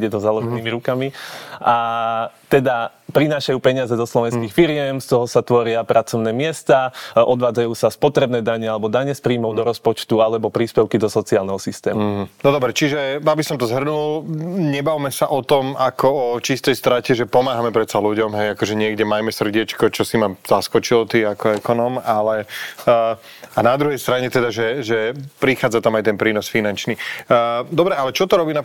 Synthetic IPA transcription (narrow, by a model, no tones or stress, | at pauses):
ɟɛt̪ɔzalɔʒɛniːmiɾukamiʔat̪ɛd̪a | pɾinaːʃajuːpɛɲɪazɛd̪ɔslɔʋɛnskiːxfiɾɪɛmst̪ɔɦɔsat̪ʋɔɾɪapɾʔat͡sɔʊnɛːmɪɛst̪aːʔɔd̪ʋaːd͡zajuːsaspɔt̪ɾɛbnɛːd̪aɲɛalɛbɔd̪aɲɛspɾiːmɔʊd̪ɔɾɔspɔt͡ʃt̪ualɛbɔpɾiːspɛʊkid̪ɔsɔt͡siaːlnɛɦɔsist̪ɛ̰ːmunɔd̪ɔbɾɛt͡ʃiʒɛabisɔmt̪ɔzɦr̩nulɲɛbaʋmɛsaʔɔt̪ɔmakɔɔt͡ʃist̪ɛjst̪ɾacɛʒɛpɔmaːɦamɛpɾɛt̪saluɟɔmɦɛjakɔʒɛɲɪɛɡɟɛmajmɛsr̩ɟɪɛt͡ʃkɔt͡ʃɔsimaz̥askɔt͡ʃilɔt̪iakɔɛkɔnɔmalɛ | anad̪ɾuɦɛjst̪ɾaɲɛt̪ɛd̪aʒɛʒɛpɾixaːd͡zat̪amajt̪ɛnpɾiːnɔsfinant͡ʃni | d̪ɔbɾɛalɛt͡ʃɔt̪ɔɾɔbiːna